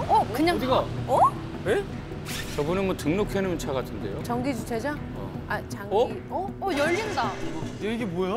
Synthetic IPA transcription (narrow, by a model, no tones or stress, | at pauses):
ʌkɯɲaŋdiɡaʌ | we | t͡ɕʌbunɯnmwʌtɯŋnokʰenɯmjʌnt͡ɕʰaɡatʰɯnde̞jot͡ɕʌŋɡid͡ʑut͡ɕʰed͡ʑa | ʌ̰at͡ɕaŋʌi | ʌʌjʌʎːindaɯneiɡemwʌja